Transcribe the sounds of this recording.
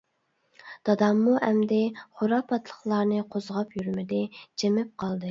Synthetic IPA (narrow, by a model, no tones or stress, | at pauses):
d̪̥ɑd̪ɑmːuʔɛmd̪ɪχoɾɑpʰɑt̪ʰlˠə̥χlˠɑɾnɨqʰozʁɑpjyɾmɪd̪ɪd͡ʒemɪp̚qʰɑlˠd̪ɨ